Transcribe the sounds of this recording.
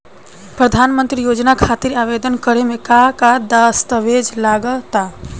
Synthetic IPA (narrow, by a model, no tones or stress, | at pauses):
pɾəd̪ʱaːnmə̃nt̪ɾijoːd͡ʒnakʰaːt̪iɾaːʋed̪ənkəɾemẽkakad̪ast̪əʋed͡ʒlaːɡət̪a